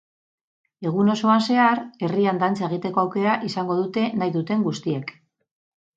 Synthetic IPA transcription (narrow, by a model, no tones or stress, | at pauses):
e̞ɣ̞uno̞so̞anse̞aɾe̞riand̪ant͡sae̞ɣ̞it̪e̞ko̞awke̞ɾaʔisaŋɡo̞ð̞ut̪e̞najðut̪e̞ŋɡust̪ie̞k